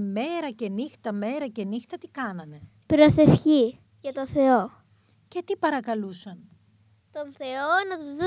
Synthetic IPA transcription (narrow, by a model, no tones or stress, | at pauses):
me̞ɾɐce̞nixt̪ɐme̞ɾɐce̞nixt̪ɐt̪ikɐnɐne̞ | pɾose̞fçi | ʝɐt̪oθe̞o | ce̞t̪ipɐɾɐkɐlusɐn | t̪onθe̞onɐt̪uzðu